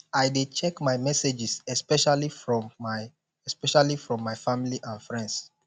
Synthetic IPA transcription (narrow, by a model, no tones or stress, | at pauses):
ajdet͡ʃɛkmajmɛsed͡ʒɪsɛspɛʃalifɹɔ̃maɪ | ɛspɛʃalifɹɔ̃mːaɪjfamiliʔãnfɹɛ̃nds